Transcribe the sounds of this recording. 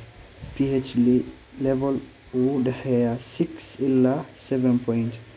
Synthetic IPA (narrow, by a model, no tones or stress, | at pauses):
piet͡ʃ | lɛvɔl | wuɗɛhɛjasiksilːasɛvɛ̃npʰɔjnt